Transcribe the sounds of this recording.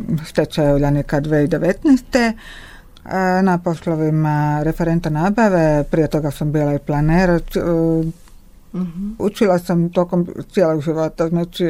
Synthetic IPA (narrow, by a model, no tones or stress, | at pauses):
ʃt̪et͡ʃajeuʎanikad̪ʋeːid̪e̞ʋet̪nɛːst̪e | napo̞slˠoʋimaɾefeɾent̪anaːbaʋe̞pɾije̞t̪o̞ɡasambiːlaiplˠaneːɾa | ut͡ʃilˠasamt̪o̞ːko̞mt̪sieloɡʒiʋo̞t̪aznaːt͡ʃi